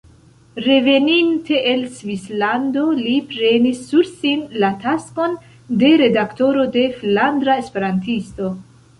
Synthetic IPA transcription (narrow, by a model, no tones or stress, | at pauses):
ɾe̞ve̞nintʰe̞ʔelsvislando̞lipɾe̞nisːuɾsinlatasko̞n | de̞ɾe̞dakto̞ɾo̞de̞flandɾaespe̞ɾantisto̞